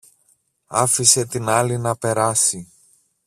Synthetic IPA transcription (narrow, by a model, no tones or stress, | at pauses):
ɐfise̞t̪inɐlinɐpe̞ɾɐsi